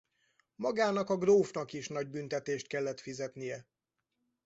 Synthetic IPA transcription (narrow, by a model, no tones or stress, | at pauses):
mɒɡaːnɒkɒɡroːfnɒkiʃnɒɟ̚bynt̪ɛt̪eːʃt̪̚kɛlːɛt̪fizɛt̪nijɛ